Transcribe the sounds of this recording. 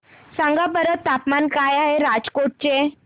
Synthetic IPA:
sãŋɡabəɾət̪ːapmankajaɦeɾad͡zkoʈ̚t͡ɕe

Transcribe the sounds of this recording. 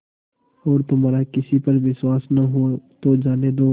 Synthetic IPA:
ɔːɾt̪ʊmɦaːɾakɪsipɐɾʋɪswaːsnaɦot̪od͡ʒaːned̪oː

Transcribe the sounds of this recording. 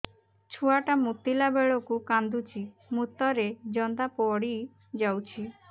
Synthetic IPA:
t͡ʃʰuaʈamut̪ilabeɭɔkukand̪ut͡ʃʰi | mut̪ɔɾed͡ʒɔnd̪apɔɽi | d͡ʒawt͡ʃʰi

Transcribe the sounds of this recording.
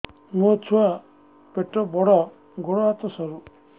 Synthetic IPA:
mɔt͡ʃʰua | peʈɔbɔɽɔ | ɡɔɽɔat̪ɔsɔɾu

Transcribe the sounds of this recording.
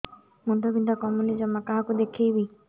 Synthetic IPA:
mund̪ʱɔbind̪ʱakɔmunid͡ʒɔmːakaɦakud̪ekʰejbi

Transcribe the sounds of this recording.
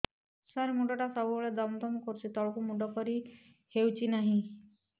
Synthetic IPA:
saɾemuɖɔʈasɔbubeɭed̪ɔmd̪ɔmɔkɔɾut͡ʃʰit̪ɔɭɔkumuɖɔkɔɾi | hewt͡ʃʰinaɦĩ

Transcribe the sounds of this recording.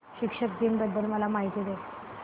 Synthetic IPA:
ɕikʂək̚d̪inbəd̪ʱːəlməlamaɦit̪id̪e

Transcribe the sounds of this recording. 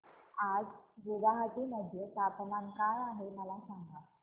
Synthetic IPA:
ad͡zʋud̪aɦat̪iːməd̪ʱːjet̪apnamkajaɦeməlasaŋɡa

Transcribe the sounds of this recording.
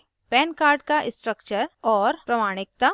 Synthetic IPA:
pɛːnkaːɾɖkaʔɪsʈɾəkt͡ʃəɾɔːɾpɾɐmaːɽ̃ɪk̚t̪a

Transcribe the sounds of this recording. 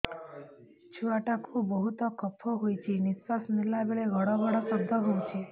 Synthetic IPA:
t͡ʃʰuaʈakʰũbəɦut̪ɔkəpʰːoɦojt͡ʃʰinispasmilːabeɭeɡʱəɽɔɡʱəɽɔsəb̚d̪ʱɔɦoũt͡ʃʰe

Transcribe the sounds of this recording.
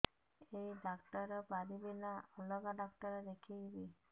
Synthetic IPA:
ejɖakʈɔɾɔbaɾibinaɔlɔɡaɖakʈɔɾɔɾekʰijbi

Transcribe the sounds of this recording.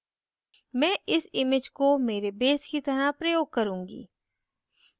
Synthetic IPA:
mɛ̃ːʔɪsɪmɪd͡ʒkomeːɾebeːskit̪ɐɾapɾɐjoːɡ̚kɐɾũːŋɡḭː

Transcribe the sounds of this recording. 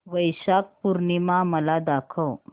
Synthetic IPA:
ʋəjɕak̚puɾɳimaməlad̪akʰəw

